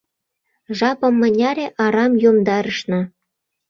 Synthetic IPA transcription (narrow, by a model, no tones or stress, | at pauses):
ʒɑpɤ̆mːə̆nʲɑɾʲeʔɑɾɑmjomd̪ɑɾəʃnɤ̆